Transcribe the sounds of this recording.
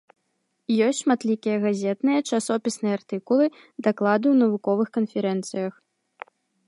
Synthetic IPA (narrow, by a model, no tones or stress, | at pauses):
jɔsʲtʲʂmat̪lʲikʲijɐɣazʲɛt̪nɨjɐt͡ʂasɔpʲisnɨjɛart̪ɨkulˠɨ | d̪aklˠad̪ɨwnɐvukɔvɨxkɐnfʲɛɾɛnt̪sɨjɐx